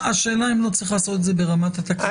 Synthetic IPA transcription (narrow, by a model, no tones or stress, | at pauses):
aʃe̞ːlaimlo̞t͡sʁiχlaːso̞t̪ezebeʁamat̪at̪ak